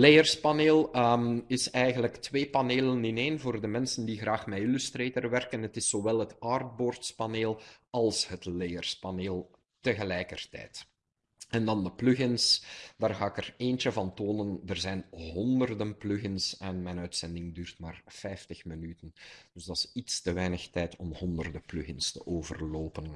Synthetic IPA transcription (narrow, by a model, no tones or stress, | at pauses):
lejərspaneːlˠ | ɪsɛjɣənləktʋeːpaneːlənɪneːnvoːrdəmɛnsəndiɣraːxmɛjilystreːtərʋɛrkənətɪsːoʋɛlˠɦətard̚boːrtspaneːlˠɑlˠshətlejərspaneːlˠ | təɣəlɛjkərtɛ̰jt | ɛndɑndəplʏɣɪnsd̥aːrɣaːɪkəreːnt͡ʃəvɑntoːnəndərzɛjnɦɔndərdənplʉɣənsɛnmɛnœɥtsɛndɪŋdyːrtmaːrfɛjftəxmənytənd̥ɵzdɑsitstəʋɛjnəxtɛjtɔmhɔndərdəplʉɣɪnstə̰ʔoːvərloːpən